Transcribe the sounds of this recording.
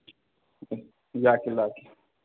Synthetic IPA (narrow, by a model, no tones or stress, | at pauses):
jaːkilaki